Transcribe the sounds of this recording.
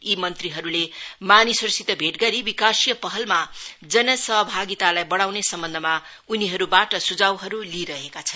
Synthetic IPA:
imʌnt̪riɦʌɾulemanisʌrsit̪ʌbʱeʈɡʌɾibikasijʌpʌɦʌlma | d͡zʌnʌsʌɦʌbʱaɡit̪alajbʌɽawnesʌmbʌnd̪ʱʌma | uniɦʌɾubaʈʌsud͡zawɦʌɾuliɾʌɦekat͡sʰʌn

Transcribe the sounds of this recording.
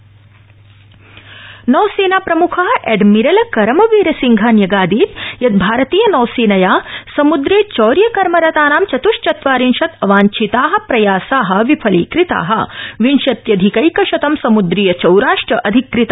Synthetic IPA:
nɔːseːnaːpɾɐmukʰɐɦɐʔɛːɖmiɾɐlɐkɐɾɐmɐʋiːɾɐsiŋɡʱɐnjɐɡaːd̪iːt̪jɐt̪̚bʱaːɾɐt̪iːjɐnɔːseːnɐjaːsɐmud̪ɾeːt͡ʃɔːɾjɐkɐɾmɐɾɐt̪aːnaːmt͡ʃɐt̪uʂt͡ʃɐt̪ʋaːɾinʃɐt̪ɐʋaːɲt͡ʃʰit̪aːɦɐ̆pɾɐjaːsaːɦɐ̆ʋipʰɐlḭːkɾit̪a̰ːɦɐ̆ʋinʃɐt̪jɐd̪ʱikɐjkɐʃɐt̪ɐmsɐmud̪ɾiːjɐt͡ʃɐwɾaːʂʈɾɐʔɐd̪ʱikːɾit̪a

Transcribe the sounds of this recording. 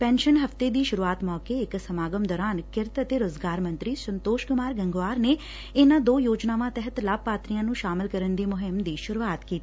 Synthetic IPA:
pɛ̃ːnʃənɦəft̪eːd̪iːʃʊɾuːaːt̪mɔːkeɪksəmaːɡəmd̪ɔːɾaːnkɪɾt̪ət̪eːɾoːzɡaːɾmə̃nt̪ɾiːsənt̪oːʃkʊmaːɾɡəŋɡʋaːɾneː | ɪnãːd̪oːjoːd͡ʒnaːʋãːt̪ɛɦət̪laːb̚paːt̪ɾijãːnũːʃaːmɪlkəɾənd̪iːmʊɦɪmd̪iːʃʊɾuːaːt̪kiːt̪i

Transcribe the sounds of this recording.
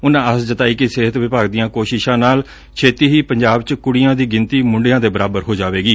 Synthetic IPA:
ʊnãːəsd͡ʒət̪aːiːkɪseːɦət̪ʋɪpaːɡd̪ɪjãːkoːʃɪʃãːnaːl | t͡ʃʰeːt̪iːɦiːpəɲd͡ʒaːbt͡ʃkʊɽɪjãːd̪iːɡɪnt̪iːmʊ̃ɳɖejãːd̪eːbəɾaːbəɾɦoːd͡ʒaːʋeːɡiː

